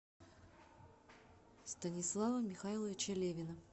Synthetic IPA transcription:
st̪ənʲɪslˠavəmʲɪxailˠəvʲɪt͡ɕɐlʲevʲɪnə

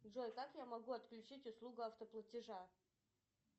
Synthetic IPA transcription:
d̪ʐojt̪akjamɐɡuɐt̪klʲʉt͡ɕitʲʊslˠuɡʊɐft̪əplˠətʲɪʐa

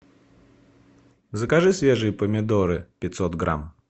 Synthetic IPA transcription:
zəkaʐɨsʲvʲeʐɨjəpəmʲɪd̪oɾɨpʲɪt̪ʲsɔt̪ɡɾa̰m

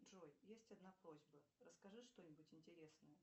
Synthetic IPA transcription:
ʐojjesʲtʲɐd̪napɾo̞zʲbərəskɐʐɨʂt̪o̞nʲɪbʊtʲɪnʲtʲɪɾʲe̞snəjə

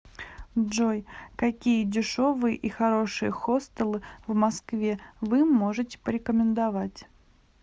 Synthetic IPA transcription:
ʐojkɐkʲijədʲɪʂo̞vɨjəʔixɐɾo̞ʂɨjəxost̪əlˠɨvmɐskvʲe̞vɨmo̞ʐɨtʲɪ̥pəɾʲɪkəmʲɪnd̪ɐvatʲ

